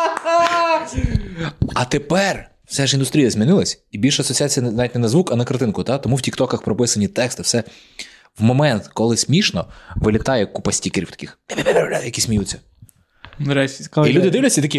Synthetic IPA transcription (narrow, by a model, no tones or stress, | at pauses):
ɐt̪epɛr | w̥sɛʒind̪ʊst̪ʲɾʲijɐzʲmʲinɪlˠɐsʲibʲilʲʃɛɐsɔt͡sʲiat͡sʲijɐzɑʋʲitʲnɛnɐzʋukɐnɐkɐɾrt̪ɪnkʊt̪ɑt̪ɔmuwtʲikt̪ɔkɐxpɾɔpɪsɐnʲit̪ɛkst̪ɪwsɛ | wmɔmɛnt̪kɔlˠɪsʲmʲiʃnɔʋɪlʲɪt̪ɑjɛkupɐsʲtʲikeɾʲḭwt̪ɐ̥kʲixebʲebʲebɾelʲat̪jɐkisʲmʲijut͡sʲːɐ | ɾɛsʲkilʲud̪ɪd̪ɪʋlʲɪsʲɐit̪ɐkʲi